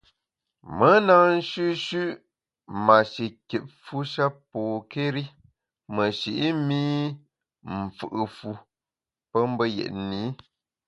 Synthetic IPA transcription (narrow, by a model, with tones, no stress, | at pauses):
mə˨˦na˨n̩˦ʃʉ˦ʃʉ˦ʔ | ma˨ʃi˨ke˨p̚fu˦ʃa˦poː˨ke˦ɾi˦ | mə˨ʃi˨ʔi˦mi˦ | m̩˨fɨ˨ʔɨ˨fu˦ | pə˦m˦bə˦jɛ̰˨ʔniː˨˦